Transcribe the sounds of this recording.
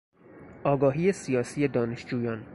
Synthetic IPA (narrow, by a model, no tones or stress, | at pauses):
ʔɒːɡɒːɦiːjesijɒːsiːje̞d̪ɒːneʃd͡ʒuːjɒːn